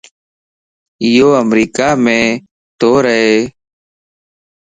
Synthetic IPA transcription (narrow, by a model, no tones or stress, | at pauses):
ɪjoːəmɾiːkaːmẽː | t̪oːɾəɦeː